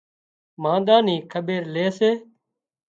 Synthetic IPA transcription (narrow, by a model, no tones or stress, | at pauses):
mãːnd̪aːniːkʰəbeːɾleːseː